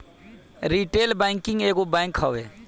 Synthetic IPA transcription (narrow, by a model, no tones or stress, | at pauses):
ɾiːʈeːlbɛ̃ŋkɪ̃ŋɡeːɡobãːŋkhɔʋe